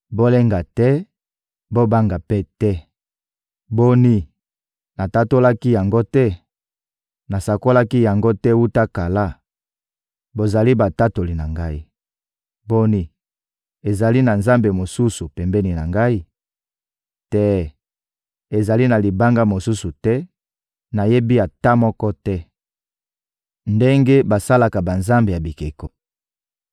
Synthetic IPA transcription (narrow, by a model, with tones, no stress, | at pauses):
bo˦le˦ŋɡa˨tɛ˦ | bo˦ba˦ŋɡa˨pɛ˦tɛ˦ | bo˦ni˦ | na˨ta˦to˦la˦ki˦ja˨ŋɡo˦tɛ˦ | na˨sa˨ko˦la˦ki˦ja˨ŋɡo˦tɛ˦wu˦ta˦ka˨la˦ | bo˨za˨li˦ba˨ta˦to˨li˨na˨ŋɡa˦i˦ | bo˦ni˦ | e˨za˨li˦na˨nza˦mbe˨mo˨su˦su˨pɛ˨mbɛ˦ni˨na˨ŋɡa˦i˦ | tɛ˦ | e˨za˨li˦na˨li˨ba˦ŋɡa˦mo˨su˦su˨tɛ˦ | na˨je˦bi˦a˨ta˦mɔ˦kɔ˦tɛ˦ | nde˦ŋɡe˦ba˨sa˦la˨ka˨ba˨nza˦mbe˨ja˨bi˨ke˨ko˨